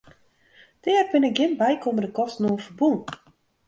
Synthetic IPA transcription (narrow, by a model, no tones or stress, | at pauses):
d̥ɛːərbɪnɪk̚ɡɪnbɛjkomərdəkɔstnoːfərbun